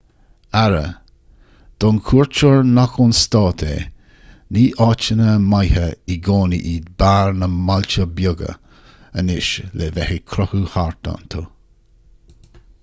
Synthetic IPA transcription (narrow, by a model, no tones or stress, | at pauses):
aɾə̰ | d̪̥ɔnkʰuːɹt͡ʃoɹnaxʊnst̪ɑːt̪ʰḛ | niːʔɑːt͡ʃənəmajhəiɡoːnḭʔiːd̪baːɹnəmalt͡ʃəbjʊɡə̰ | ənɪʃlevɛhikʰɾɔhuhaɹt̪a̰nt̪ʰo